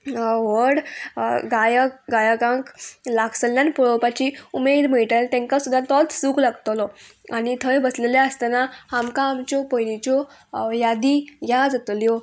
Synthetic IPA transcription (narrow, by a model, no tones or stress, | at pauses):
ʋəɽɡajəɡajaɡãŋklaksəljanpɔɭopat͡ɕiumed̪m̤əiʈ̪alt̪ẽŋkasud̪ʱːat̪ɔt̪suːklaɡt̪lɔañit̪ʰəɭbəsleljaəst̪anahamkãːmt͡ɕɔpəjlit͡ɕɔ | jad̪iɡʱad͡zət̪ljɔ